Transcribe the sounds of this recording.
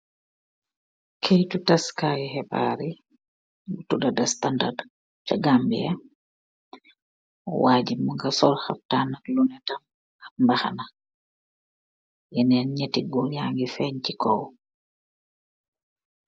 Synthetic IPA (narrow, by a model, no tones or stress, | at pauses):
kʰejtutaskajɛhɛba̰ɾi | butudadastandard | t͡ʃaɡambia | ɔ̰waːd͡ʒimuŋɡasɔlha̰p̚taːnalunɛtam | ɡambaha̰na | jɛnɛnɲetiɡɔjaŋɡifɛɲcikʰɔw